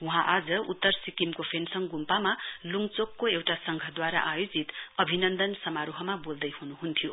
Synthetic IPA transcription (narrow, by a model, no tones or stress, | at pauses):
wuɦãʔad͡zʌut̪ːʌɾsikimkopʰensʌŋɡumpamaluŋt͡sokːoewʈasʌŋɡʱʌd̪waɾa̰ʔajod͡zit̪ʌbʱinʌnd̪ʌnsʌmaɾuɦʌmabold̪ʌjhunuɦunt̪ʰijo